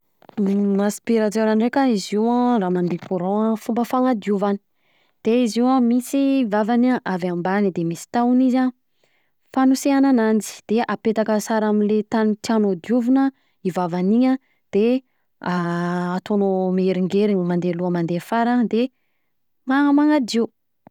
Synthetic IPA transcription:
naspiɾatenanrekʲəiziwaraːmand̪epuɾɔ̃fumbəfaŋad̪juvani̥ | d̪̥eiziwamisiːvavanaʔavambanid̪emisi̥t̪auniza | fanuseananand͡ʒi̥d̪̥eʔapet̪akəsaɾaminlet̪anit̪ianod̪juvinə | ivavaniɲə | d̪̥e | aːt̪onomeɾiŋɡeɾiɲəmand̪eluəmand̪efaɾad̪e | ŋamaŋad̪i

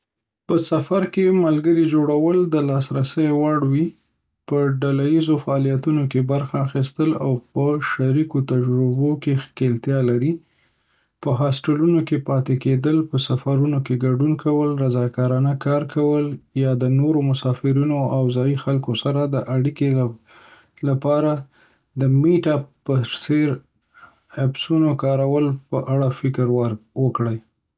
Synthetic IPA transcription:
pəsafaɾkemalɡəɾid͡ʒoɽawəld̪əlɑsɾasəjwaɽwi | pəɖalajizofaɑlijat̪unokebaɾxaːxist̪əla̰wpəʃaɾikot̪ad͡ʒɾubokexkelt̪jɑlaɾi | pəɦɑsʈəlunokepɑt̪eked̪əlpəsafaɾunokeɡaɖunkawəlɾazɑkɑɾɑnəkɑɾkʰawəljɑd̪ənoɾomʊsɑfɪɾinoawzɑjixalkosaɾad̪əʔaɽike | lapɑɾa | d̪əmeʈapəɾseɾ | absunokɑɾawəlpəʔaɽafɪkɾwwəkɽəj

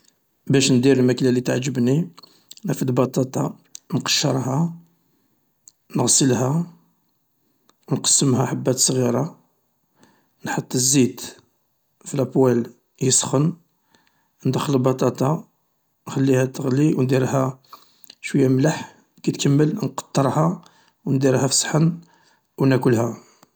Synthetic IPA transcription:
bæʃnd̪iɾlmæklælit̪aʕd͡ʒːəbni | næfəd̪bɑt̪ˤɑt̪ˤɑ | nqɑ̥ʃːəɾˤhɑ | nəɣsˤəlhæ | wnqə̥sːəmhæħabːæt̪sˤɣiɾˤɑ | nħɑt̪ˤːəzːit̪ | filæbwæl | jəsˤxən | nd̪əxːəlbɑt̪ˤɑt̪ɑ | nxəlːihæt̪ːəɣliwnd̪iɾhæ | ʃwəjːæmlaħ | kæt̪kəmːəlnqɑ̥t̪ˤːəɾˤhɑ | wnd̪iɾhæfsˤħən | wnækʊlhæ

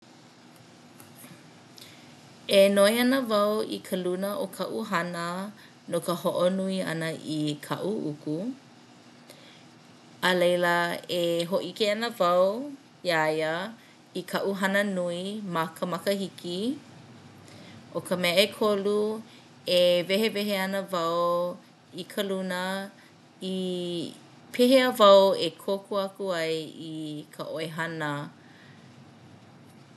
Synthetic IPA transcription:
enoeɐnəvɐwḭkʰəlunəʔokʰɐʔuɦɐnə | nokəhoʔonuiɐ̰nəʔikʰɐ̰ʔuʔuku | əlejləeɦoʔikeɐnəvɐw | iajə | ikʰɐʔuɦɐnənuimɐkʰəmakəhiki | ʔokəmɛəekʰolu | eveɦevɛɦeɐnəvɐw | ikʰəlunə | i | pʰeɦeəvɐwekʰokʰuakuajikʰəʔoeɦɐnə

